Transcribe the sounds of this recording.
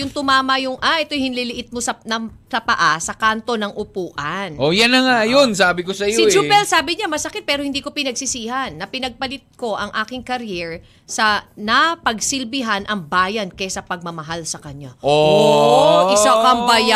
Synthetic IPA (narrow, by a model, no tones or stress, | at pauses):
jʊŋt̪ʊmaːmɐjʊŋʔaʔɛt̪o̞jhɪnlɪlɪʔɪt̪̚mosɐnɐsɐpɐʔasɐkant̪o̞nɐŋʔʊpuːʔɐnʔojanɐŋajonsaːbɪkosɐjosɪd͡ʒupɛlsaːbɪɲamɐsɐkɪt̪̚pɛːɾohɪnd̪iːko̞pɪnɐɡsɪsiːɦɐnːɐpɪnɐɡ̚pɐlɪt̪̚ko̞ʔɐŋʔaːkɪŋkɐɾjɛɹ | sɐnɐpɐɡsɪlbɪɦanʔɐŋbaːjɐnkɛsɐpɐɡ̚mɐmɐɦalsɐkɐɲaʔooʔɪsakɐŋbɐja